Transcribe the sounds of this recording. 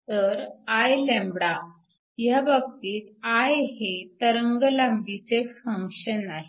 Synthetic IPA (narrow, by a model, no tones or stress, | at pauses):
t̪əɾajlɛ̃mbɽa | jabəɡ̚t̪iːt̪ajɦet̪əɾəŋɡəlambit͡sefə̃ŋkʂənaɦe